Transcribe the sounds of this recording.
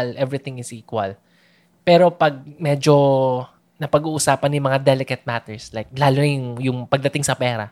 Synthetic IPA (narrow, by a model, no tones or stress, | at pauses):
lʔɛvɾɪt̪ɪŋɪsʔiːkwɐ̰l | pɛːɾo̞pɐɡ̚mɛd͡ʒo̞ | nɐpɐɡuːʔʊsaːpɐnjʊŋmɐŋad̪ɛlɪkɐt̪̚mat̪ɛɹslajk̚laːlʊnɪʊŋjʊŋpɐɡ̚d̪ɐt̪ɪŋsɐpɛːɾɐ̰